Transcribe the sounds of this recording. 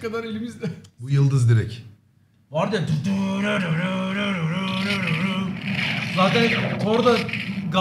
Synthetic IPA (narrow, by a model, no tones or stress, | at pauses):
kad̪aɾe̞lʲimizd̪ɛbujɯlˠd̪ɯzd̪iɾɛc | vaɾd̪ad̪ud̪uɾaɾɯɾɯɾɯɾuɾuɾɯɾɯɾu | zaːt̪ʰɛnk̪ʰoɾd̪aɡa